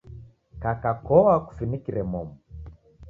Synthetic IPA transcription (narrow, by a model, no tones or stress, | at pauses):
kakakɔwaku̥finikiɾɛmɔmɔ